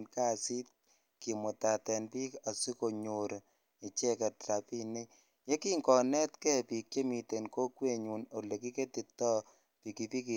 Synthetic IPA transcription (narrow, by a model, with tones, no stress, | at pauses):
nka˦si˦t̚ | ki˨mʊ˨ta˨tɛ˨npi˦ka˨si˦ko˨ɲo˨ɾ | i˨t͡ʃɛ˦kɛ˨tta˨pi˦ni˦ | je˦ki˦ŋkɔ˨nɛ˦tkɛ˦pi˨k̚t͡ʃe˦mi˨te˨nko˦kwe˦ɲu˨no˨le˨ki˦ke˦ti˨tɔ˦ | pi˨ki˨pi˦ki˨